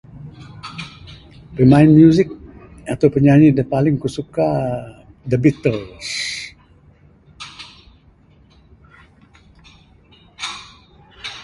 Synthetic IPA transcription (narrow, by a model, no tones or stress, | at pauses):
pəmaɪnmjuzɪk̚ | at̪awpəɲaɲidəpalɪŋkusuka | dəbit̪əls